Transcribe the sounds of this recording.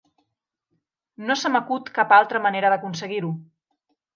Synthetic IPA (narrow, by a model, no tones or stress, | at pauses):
nosəməkut̪kapalˠt̪ɾəməneɾəðəkunsəɣiɾu